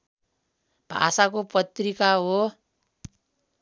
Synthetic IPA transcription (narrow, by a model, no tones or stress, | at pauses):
b̥ʱa̰sakopʌt̪rikaɦo